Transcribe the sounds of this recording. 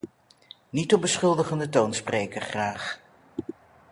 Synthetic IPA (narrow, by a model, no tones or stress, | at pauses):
nitɔm̚bəsχɵlˠdəχəndətownspreːjkəɹχraːχ